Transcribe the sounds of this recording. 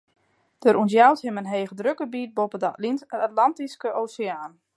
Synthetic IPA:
d̥əɾʔunsjawthɪmənɦeːɣədrøkəbiːt̚bopədatlantiskəʔoːseaːn

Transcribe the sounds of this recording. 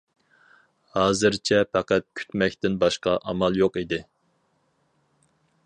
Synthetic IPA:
hɑːzɨɾt͡ʃʰɛpʰɛqæt̪̚kʲʰy̥t̪mɛkʲt̪ɪnbɑʃqɑʔɑmɑlˠjoqid̪ɪ

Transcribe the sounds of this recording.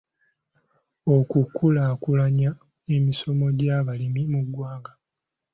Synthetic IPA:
okukːulaːkulaɲa | e̞miso̞mo̞ɟaβalimimuɡwaːɡa

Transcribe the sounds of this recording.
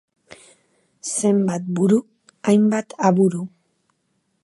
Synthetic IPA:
se̞mbat̪̚buɾu | ajmbat̪ʰaβuɾu

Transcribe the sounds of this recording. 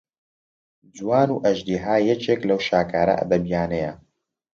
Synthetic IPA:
d͡zwaːnuːʔɐʒd̪iːɦaːjɛt͡ʃeːklɐwʃaːkaːɾɐ̰ʔɐ̰d̪ɐbijaːnɛjɐ

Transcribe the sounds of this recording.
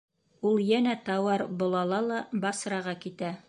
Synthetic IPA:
ulˠjænæt̪ɑwɑɾbŏlˠɑlˠɑlˠɑbɑsɾɑʁɑkit̪æ

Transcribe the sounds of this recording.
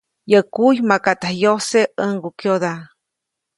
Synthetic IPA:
jəkujmakat̪ahjoseəŋɡukjod̪a

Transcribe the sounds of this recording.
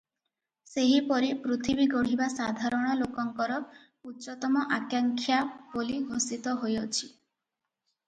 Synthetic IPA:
seɦipɔɾipɾut̪ʰibiɡɔɽ̤ibasad̪ʱaɾɔɽ̃ɔlokɔŋkɔɾɔ | utːt͡ʃɔt̪ɔmɔʔakjaŋkʰjaboliɡʱosit̪ɔɦojɔt͡ʃʰi

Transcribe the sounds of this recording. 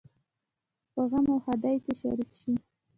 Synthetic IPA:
pəɣamawhad̪ajkeʃa̰ɾikʃi

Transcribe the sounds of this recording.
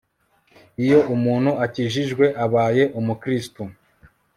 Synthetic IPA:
ijo̞ʔumuːn̥huaciːʒiʒɡwe̞ʔaβaːje̞ʔumukɾistu

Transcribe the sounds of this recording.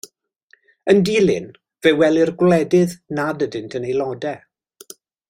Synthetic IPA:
əndiːlˠɪ̰n | v̥ewɛlˠɪrɡwlɛdɪðnadədɨntʰənejlˠɔdɛ

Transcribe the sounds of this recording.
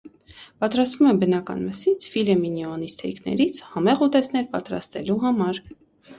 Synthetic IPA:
pɑt̪ɾɑst̪vumɛbənɑkɑ̰nməsit͡sʰfilɛminiɔnist̪ʰɛ̰jknɛ̰ɾit͡sʰhɑmɛʁut̪ɛsʰnɛɾpɑt̪ɾɑ̰st̪ɛluɦɑmɑɾ

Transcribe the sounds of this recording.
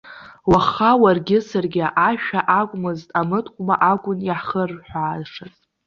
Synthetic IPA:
waχawarɡʲɪsarɡʲɪʔaʃᶣaʔakʷʼmɨztʼamɨtʰkʷʼmaʔakʷʼʊnjaħχərħʷᶣaːzʂazʼ

